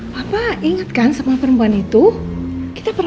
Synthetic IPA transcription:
bapaiŋət̪̚kansamapəɾəmpuanit̪uki̥t̪apər

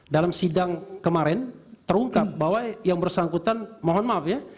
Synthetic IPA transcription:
dalamsidaŋkəmaɾɛnt̪əɾuŋkap̚bawajjaŋbərsaŋkut̪anmoɦɔnmapja

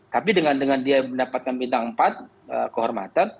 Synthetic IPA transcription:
t̪apidəŋandəŋandiabəndapat̪̚kanbint̪aŋmpat̪̚ | ə̰kəɦɔrma̰t̪an

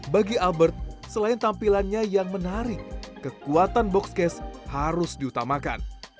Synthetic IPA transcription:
baɡialbərt̪̚səlaɪnt̪ampilanɲajaŋmənaɾɪkːəkuat̪anbɔkskɛshaɾʊsdiut̪amaka̰n

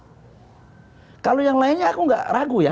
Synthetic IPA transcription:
kalojaŋlaɪnɲaːkuŋɡa̰ʔraɡuja

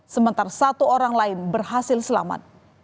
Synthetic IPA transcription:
səmənt̪aɾasat̪uoɾaŋlaɪnbərhasɪlsəla̰ma̰t̪̚

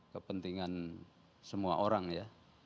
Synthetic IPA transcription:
kəpənt̪iŋan | səmua̰ʔoɾaŋja

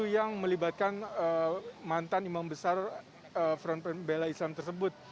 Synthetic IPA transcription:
ujaŋməlibat̪̚kanəmant̪animambəsar | əfɾɔnpənbelaislamt̪ərsəbʊt̪̚

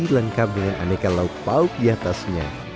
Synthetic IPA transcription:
iləŋkap̚dəŋanʔa̰nekalaut̪̚paʊk̚jat̪asɲa

